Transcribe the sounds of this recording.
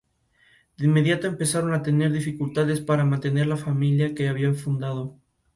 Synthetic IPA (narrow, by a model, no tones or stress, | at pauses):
d̪einmːe̞ðjat̪oe̞mpe̞saɾo̞nat̪e̞ne̞ɾðifikult̪aðe̞spaɾamãnt̪ene̞ɾlafamiljake̞aβiaɱfund̪að̞o̞